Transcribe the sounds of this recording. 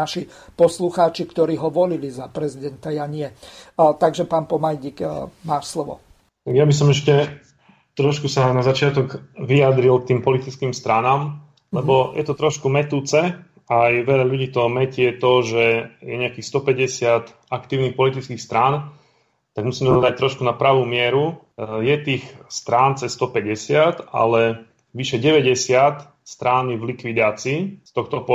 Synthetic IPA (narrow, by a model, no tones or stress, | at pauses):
aʃi | pɔsluxaːt͡ʃikt̪ɔɾiːɦɔʋɔlilizapɾɛzid̪ɛnt̪ajaɲɪɛt̪aɡʒɛpaːnpɔmajɟikmaːʃslɔʋɔ̰ | t̪aɡjabis̬ɔmɛʃcɛ | t̪ɾɔʃkusanazat͡ʃɪat̪ɔɡʋiad̪ɾilk̚t̪iːmpɔlit̪it͡skiːmst̪ɾanaːm | lɛbɔjʔɛt̪ɔt̪ɾɔʃkumɛt̪uːt͡sɛ | ajʋɛʎaʎuɟiːt̪ɔmɛcɪɛt̪ɔʒɛjɛɲɛakiːxst̪ɔpɛɟɛsɪat̪ | akt̪iːʊnixpɔlit̪it͡skiːxst̪ɾaːn | t̪aɡmusiːmɛɔd̪ac̚t̪ɾɔʃkunapɾaʋuːmɪɛɾu | jɛt̪iːxst̪ɾaːnt͡sɛst̪ɔpɛɟɛsɪat̪a̰lɛ | ʋiʃɛɟɛʋɛɟɛsɪat̪ | st̪ɾaniʋlikʋid̪aːt͡siːst̪ɔxt̪ɔp